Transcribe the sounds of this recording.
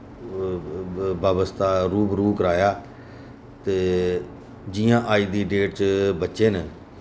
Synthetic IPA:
baːbəst̪aːɾuːbɾuːkəɾaːjaː | t̪eː | d͡ʒɪːjãːʔaːiːd̪iːɖeːʈt͡ʃbətːʃeːn

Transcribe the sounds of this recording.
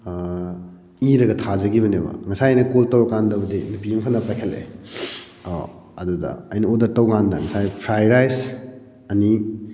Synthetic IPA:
iɾɐɡɐtʰazɐɡiβɐnebɐ̰ŋɐsajnɐkoltɐwɾɔkːandɐβɐdinupijuŋpʰanːɐpajkʰelḛ | o̰ | ɐdudɐ̰ɐjnɐodɐɾtɐwɡandɐ̰ŋɐsajpʰɾajɾajs | ɐni

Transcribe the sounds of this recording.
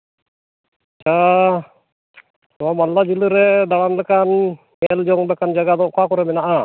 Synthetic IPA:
at͡ʃʰa | ɔmamallad͡ʒiləɾɛd̪aɽ̃anlɛkan | mɛld͡ʒɔŋb̪ɛkand͡ʒaɡad̪ɔʔkakɔɾɛmɛnaʔa

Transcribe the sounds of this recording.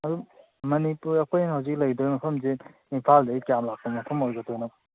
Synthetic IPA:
ɐdu | mɐnipuɾɐkʰojnɦawzik̚lɐjdojmɐpʰɐmze | inpʰaldɐikjamlak̚sɔmɐpʰɐmojɡɐtojnak

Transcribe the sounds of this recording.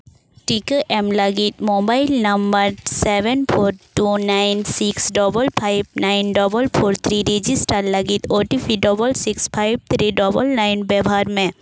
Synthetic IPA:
ʈikeʔemləɡit̪mobajɪlnɐmbəɾseʋenpʰoɾʈunajnsiksɖɔbəlpʰajb̚najnɖɔbəlpʰoɾt̪ʰɾiɾid͡ʒisʈəɾləɡit̪oʈipʰiɖɔbəlsikspʰajb̚t̪ʰɾiɖɔbəlnajnbɛbʱaɾmẽ

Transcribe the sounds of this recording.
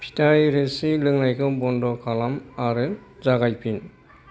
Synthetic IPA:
pʰi̥tʰajɾesilɯŋlajkʰɯbɔndɔkʰalamaɾɯzaɡajpʰin

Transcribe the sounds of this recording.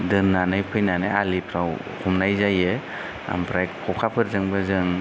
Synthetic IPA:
dɯnːanɯjpʰɯjnanɯalipʰɾaw | kʰumnajzajɯ | a̰mpʰɾajkkʰɔkʰapʰɯɾzɯŋbɯzɯŋ

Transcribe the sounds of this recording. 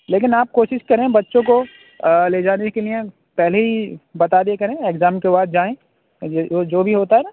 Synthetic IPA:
leːk̬ɪnaːp̚koːʃɪʃkɐɾẽbɐtːʃõko | leːd͡ʒaːnekeliẽ | pɛɦleɦibɐt̪aːd̪eekɐɾẽekzaːmkebaːd̪̚d͡ʒaːẽ | od͡ʒoːbʱiɦoːt̪aɦɛːna

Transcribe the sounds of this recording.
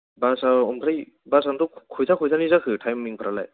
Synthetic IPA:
basaɔmpʰɾaj | basandɔkʰojzakʰɔjzanizakʰɯtʰajmːiŋpʰaɾala̰j

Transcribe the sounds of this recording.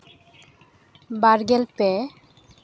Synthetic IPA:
baɾɡelpe

